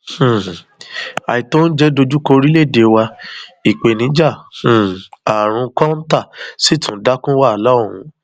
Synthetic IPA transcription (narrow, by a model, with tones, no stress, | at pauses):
h̩˨ | a̰˨i˨to˦n̩˦d͡ʒɛ˦do˧d͡ʒu˦ko˧ɾi˦le˦˨de˨wa˧i˨k͡pe˨nĩ˨˦d͡ʒã˦˨ | a˨ɾ̃ũ˧kɔ̃˦n̩˦ta˦˨si˦tũ˨˦da˦kũ˦wa˦˨la˦o˨ɾ̃ũ˧˦